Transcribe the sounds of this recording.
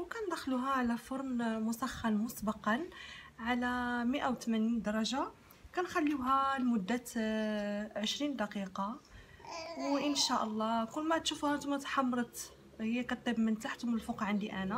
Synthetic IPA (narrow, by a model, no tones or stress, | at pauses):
wkænd̪æxluɦæʕalæfʊɾˤnmʊsɑxːɑnmʊsbɑqɑnʕalæmiʔawt̪mænind̪ɑɾˤɑʒa | kænxælːiwɦælmʊd̪ːæt̪ | ʕəʃɾind̪ɑqiqɑ | wʔənʃæʔɑlˤːɑkʊlːmæt̪ʃufuhænt̪umːæt̪ħɑmːɾˤət̪ | həjːækæt̪ːæbmːənt̪aħt̪ʊməlfuqʕənd̪iʔænæ